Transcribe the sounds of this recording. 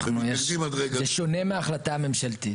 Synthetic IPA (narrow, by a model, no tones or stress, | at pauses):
χnujeimɐd̪ʁeɡeʃo̞ne̞meaχlat̪ame̞mʃalt̪i